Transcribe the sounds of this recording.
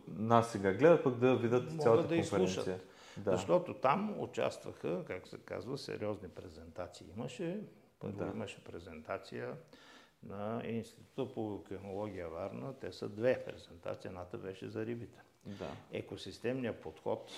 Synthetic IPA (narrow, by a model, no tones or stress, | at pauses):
nasːɛɡaɡlɛd̪əpakd̪ɐvid̪ət̪msalˠəɡəd̪ɐisɛɾlˠuɛʃə̰t̪siə | d̪azɐʃt̪ɔt̪ot̪amo̰t͡ʃa̰st̪və̰xəkak̚t̪ʊ̥sɛka̰zvəsɛ̰ɾiɔznipɾɛzɛnt̪at̪siːiməʃɛ | pəɾḭməʃɛpɾɛzɛnt̪at̪sijə | nɐinst̪i̥t̪ut̪əpokɛxnolˠɔɡ̟ʲiəvaɾnət̪ɛsəd̪vɛpɾɛ̰zɛnt̪a̰t̪siənat̪əbɛʃɛ̰zɐɾibit̪ɛ̥ | d̪a̰ɛ̰kosist̪ɛmnijəpot̪xɔ̰t̪